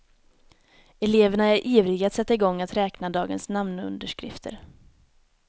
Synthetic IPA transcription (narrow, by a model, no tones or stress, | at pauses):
ɛleːvəɳaæɾʔiːvɾɪɡat̪sɛt̪ːaɪɡɔŋːat̪ɾɛːknad̪ɑːɡənsnamnɵ̰nd̪əʂkɾɪ̰ft̪ʰə̰ɾ